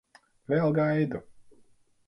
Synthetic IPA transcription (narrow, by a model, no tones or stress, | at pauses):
vʲɛlˠɡajd̪u